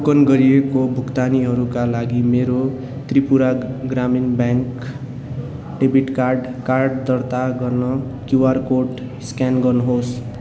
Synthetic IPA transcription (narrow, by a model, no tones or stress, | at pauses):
ukʌnɡʌɾiekobʱukt̪aniɦʌɾukalaɡimeɾo | t̪ripuɾaɡraminbjaŋk | ʈebiʈkarɖkarɖd̪ʌrt̪aɡʌrnʌkjuwarkoʈ | skanɡʌnɦos